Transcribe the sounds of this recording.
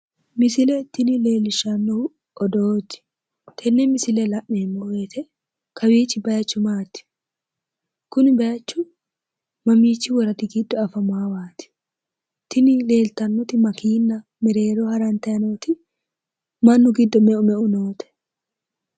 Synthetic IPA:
mɪsɪlɛt̪ːɪnɪle̞ːlɪʃɐnːɔ | ɔd̪oːd͡ʒːɪ̥ | t̪ʰɛnːɛmɪsɪlɛlɐʔmeːmːɔweːt̪ʰɛ | kʰɐwiːt͡ʃːɪbɐjɐt͡ʃːʊmaːt̪ɪ̥ | kʊnɪbɐjɐt͡ʃːʊ | mɐmiːt͡ʃːɪwɔɾɐt̪ɪɡɪd̪ːɔɐfɐmaːwaːt̪ɪ̥ | t̪ːɪnɪle̞ːlt̪ɐnːɔt̪ɪmɐkiːnːɐ | mɛɾe̞ːɾɔhɐɾɐnt̪ɐjɐnoːt̪ɪ | mɐnːʊɡɪd̪ːɔmɛʔʊmɛʔʊnoːt̪ɛ̥

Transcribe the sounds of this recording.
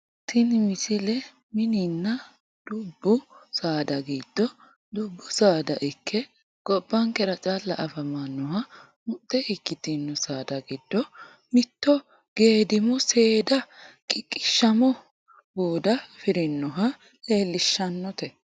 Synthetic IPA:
t̪ɪnmɪsɪlɛ | mɪninːɐ | d̪̥ʊbːʊsaːd̪ɐɡiːd̪̥ːɔ | d̪ʊbːʊsaːd̪ɐʔɪkʰːɛ | ɡ̥ɔbːɐŋkɛɾɐt͡ʃʼalːɐʔɐfɐmanːɔhɐ | mʊt̪ːɛʔɪkːɪt̪inːɔsaːd̪ɐɡɪd̪ːɔ | mɪt̪ːɔ | ɡ̥e̞ːd̪ɪmɔse̞ːd̪ɐkʼɪkʼːɪ̥ʃːɐmɔ | boːd̪ɐfɪɾɪnːɔɦɐ | le̞ːlːɪʃːɐnːɔt̪ɛ

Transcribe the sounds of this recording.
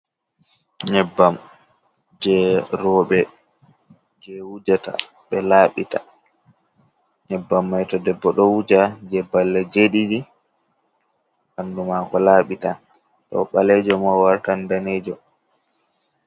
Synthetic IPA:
ɲɛbːam | d͡ʒɛɾɔːɓɛ | d͡ʒɛwud͡ʒata̰ | ɓɛlaːɓita̰ | ɲɛbːamːajtɔdɛbːɔɗɔwud͡ʒad͡ʒɛbalːɛd͡ʒeɗiɗi | ʔandumakɔlaːɓita | tɔ̰ɓalɛd͡ʒɔmawaɾtandaneːd͡ʒɔ

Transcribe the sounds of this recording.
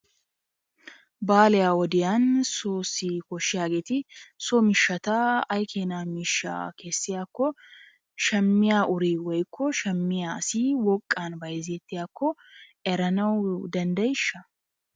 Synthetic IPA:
baːlɛjaːwɔd̪ɪjaːnsoːsikɔʃːɪjaːɡeːt̪ɪsɔmɪʃːɐt̪ɐɐjkʰeːnaːmɪʃːa̰ke̞ːsːɪjaːkːɔ | ʃɛmːɪjaːʔʊɾiːwɔjkʰːɔʃɛmːɪjaːsiːwɔkʼːaːnbɐjzet̪ːɪjaːkːɔɛɾɐnɐwd̪ɐnd̪ɐjɪʃːɐ

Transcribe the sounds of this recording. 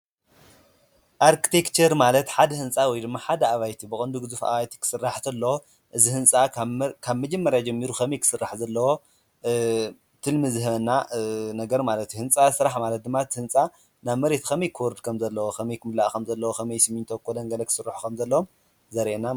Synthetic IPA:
ʔaɾkʰi̥t̪ʰekt͡ʃɐɾmalɐt̪ħad̪ɐhɨnt͡sʼawɔjd̪ɨmːaħad̪ɐaβajt̪ʰibɨkʼɨnd̪uɡɨzufʔa̰βajt̪ʰi̥kʰɨ̥sɨrːaħt̪ʰɐlːɐwo | ʔɨzihɨnt͡sʼakʰaβmɐd͡ʒɐmːɐɾjad͡ʒɐmːiɾuxɐmɐjkʰɨ̥sɨrːaħzɐlːɐwo̞ | t̪ʰɨlmɨzɨɦβɐnːanɐɡɐɾmalɐt̪juhɨnt͡sʼasɾaħmalɐt̪̚d̪ɨmːat̪ʰhɨnt͡sʼa | naβmɐɾe̞t̪kʰɐmɐjkʰɨwɔɾɨd̪kʰɐmzɐlːɐwoxɐmɐjkʰɨmɨlaʔkʰɐmzɐlːɐwoxʰɐmɐjsɨmːiɲt̪ʰokʰːod̪ɐŋɡɐlɐkʰɨ̥sɨrːaħu̥kʰɐmzɐlːɐwom | zɐɾʔena

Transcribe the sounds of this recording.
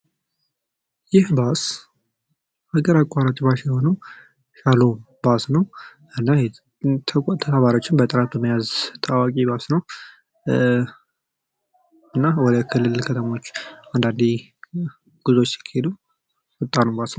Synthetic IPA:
jɪhbas | ʔaɡəɾakʷʼːaɾat͡ʃʼbasjɛho̞nəw | ʃalo | basnəw | ɨnːaj | t̪ʰt̪ʰəaβaɾo̞t͡ʃːɪnbət̪ʼɨɾat̪ʰuməjazt̪ʰawakʼibasnəw | ɨnːawɔd̪əkʰɨlːɨlkʰət̪ʰəmo̞t͡ʃːand̪and̪i | ɡ̥uzo̞t͡ʃːɪ̥kʰːhed̪u | wɨt̪ʼːanubasn

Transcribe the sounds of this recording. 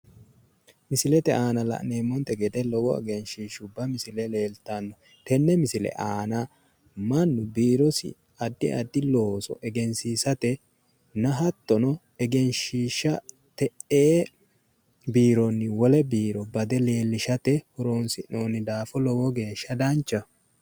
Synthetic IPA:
mɪsɪlɛt̪ɛʔaːnɐlɐ̰ʔneːmːɔnt̪ɛɡɛd̪ɛlɔɡɔɛ̰ɡɛnʃiːʃʊbɐmɪsɪlɛle̞ːlt̪ɐnːɔ | t̪ɛnːɛmɪsɪlɛ̰ʔaːnɐ | mɐnːʊbiːɾɔsɪ̰ | ɐd̪ːɪ̰ɐd̪ːɪloːsɔ̰ʔɛɡɛnsiːsɐt̪ɛ | nɐɦɐt̪ːɔnɔ | ɛɡɛnʃiːʃːɐ | t̪ɛʔeː | biːɾɔnːɪwɔlɛbiːɾɔbɐd̪ɛle̞ːlːɪʃɐt̪ɛhɔɾoːnsɪnoːnːɪd̪aːfɔlɔɡɔɡe̞ːʃːɐd̪ɐnt͡ʃːɐ

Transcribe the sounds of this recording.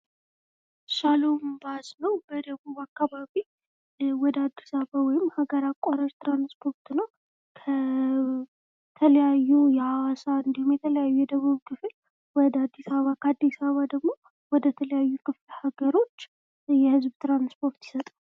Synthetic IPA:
salombaznəwbəd̪əβuβakːaβaβi | wɔd̪əad̪ːisaβawɔjɪmːhaɡəɾakʼːaɾəɾt̪ʰɾanspʰo̞ɾt̪nəw | kʰə | t̪ʰələjajːujɛhawasaɨnd̪ihumjɛt̪ʰələjajːujɛd̪əβuβkʰɨfɨl | wɔd̪əad̪ːisaβakʰəad̪ːisaβad̪əɡmo̞ | wɔd̪ət̪ʰələjajːukʰɨflhaɡəɾo̞t͡ʃː | jɛhɨzbt̪ɾanspʰo̞ɾt̪jɪ̥sət̪ʼa

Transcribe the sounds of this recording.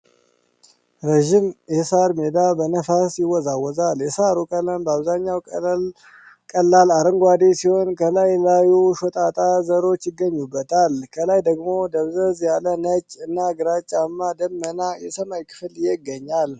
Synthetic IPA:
ɾəʒimjɛsaɾmed̪abənəfasjɪwːɔzawːɔzaljɛsaɾukʼələmbəaβzaɲːawʼ | kʼəlːalaɾɨŋɡʷad̪esiho̞nkʰəlajlajuʃot̪ʼat̪ʼazəɾo̞t͡ʃːjɪɡːəɲːubːət̪ʰalkʰəlajd̪əɡmo̞d̪əβzəzjalənət͡ʃʼːɨnːaɡɨɾat͡ʃʼːamːad̪əmːənajɛsəmajkʰɨ̥fljɛɡːəɲːal

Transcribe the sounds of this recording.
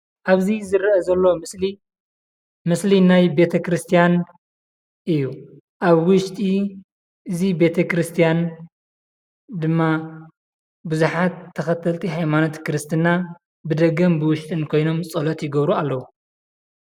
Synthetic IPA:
ʔaβzizɨɾɐʔɐzɐlːo̞mɨsli | mɨslinajbe̞t̪ʰɐkɾɨst̪ʰijan | ʔɨjːu | ʔaβwʊʃt̪ʼi | ʔɨzibe̞t̪ʰɐkɾɨst̪ʰijan | d̪ɨmːa | bɨzuħat̪ʰːɐxɐt̪ʰɐlt̪ʰiɦajmanot̪kɨɾɨst̪ʰɨna | bɨd̪ɐɡɐmbɨwʊʃt̪ʼɨnkʰo̞jno̞msʼɐlot̪jɪɡɐβɾualːɐwu

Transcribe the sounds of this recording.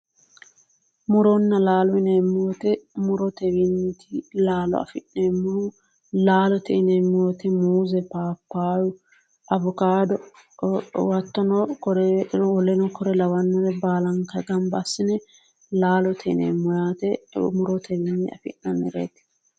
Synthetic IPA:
mʊɾɔnːɐlaːlɔɪneːmːɔt̪ɛmʊɾɔt̪ɛwɪnːɪt̪ʰɪlaːlɔ̰ɐ̰fɪneːmːɔhʊ | laːlɔt̪ɛɪnɛmːɔt̪ɛmuːzɛpaːpːaːjʊ | ɐbʊkaːd̪ɔ | wɐt̪ːɔnɔkɔɾɔlɛnɔkɔɾɛlɐwɐnːɐɾɛbaːlɐŋkɐɡɐmbɐsːɪnɛ | laːlɔt̪ʰɛɪnḛːmːɔjaːt̪ɛmʊɾɔt̪ʰɛwɪnːɪɐfɪ̰nːɐmɛɾḛːt̪

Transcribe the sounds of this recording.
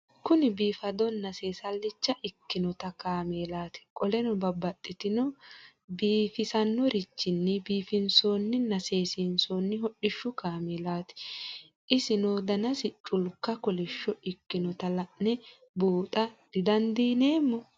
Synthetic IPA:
kʊnɪbiːfɐd̪ɔnːɐse̞ːsɐlːɪt͡ʃːɐʔɪkːɪnɔt̪ɐkaːmeːlaːt̪ɪ̥kʼɔlɛnɔbɐbːɐt̪ʼːɪt̪ɪnɔ | biːfɪsɐnːɔɾɪt͡ʃːɪnːɪbiːfɪnsoːnːɪnɐse̞ːsɪnsoːnːɪɦɔɗɪʃːʊkaːmɛlaːt̪ɪ̥ | ʔɪsɪnoːd̪ɐnɐsɪt͡ʃʼʊlkːɐkɔlɪʃːɔɪkːɪnɔt̪ɐlɐʔnɛ | buːt̪ʼɐd̪̥ɪd̪ɐnd̪iːne̞ːmːɔ

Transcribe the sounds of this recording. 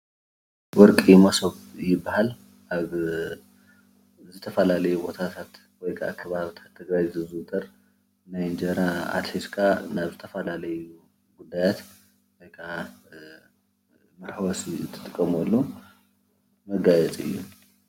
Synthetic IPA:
wɔɾkʼimɐsoβjɪbːahal | ʔaβ | zɨt̪ʰɐfɐlalɐjubo̞t̪ʰat̪ʰat̪ | wɔjkʰaakʰːɐβaβt̪ʰḁt̪ʰːɨɡɾajzɨzɨt̪ʰʼɐɾ | najnd͡ʒɐɾaa̰t̪ħiskʰanaβzɨt̪ʰɐfɐlalɐju | ɡud̪ːajat̪ | wɔjkʰa | mɐɾħwɐsiɨt̪ʰːɨ̥t̪ʼɨkʼːɐmɔlːu | mɐɡajɛt͡sʼɨ̰jːu

